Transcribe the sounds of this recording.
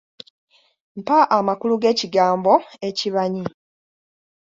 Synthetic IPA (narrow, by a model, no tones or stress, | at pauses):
m̩paʔamakuluɡe̞ːciɡaːmbo̞e̞ciβaɲi